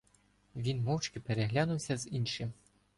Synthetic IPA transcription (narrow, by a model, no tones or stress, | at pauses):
ʋʲinmɔwt͡ʃkɪpeɾeɦlʲanʊwsʲɐzinʃɪm